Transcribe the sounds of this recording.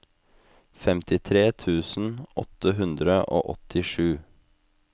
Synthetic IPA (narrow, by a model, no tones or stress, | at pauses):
fɛmt̪ɪt̪ʰɾeːt̪ʰʉːsn̩ʔɔ̰t̪əɦʉnd̪ɾəʔo̰ːʔɔt̪ɪʂʉː